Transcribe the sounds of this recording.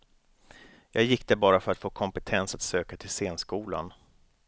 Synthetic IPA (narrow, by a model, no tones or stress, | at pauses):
jɑːɡjɪk̚ːd̪̥ɛbɑːɾafœɾat̪foːkʰɔmpɛt̪ʰɛnsat̪søːkat̪ʰɪlseːnskuːla̰n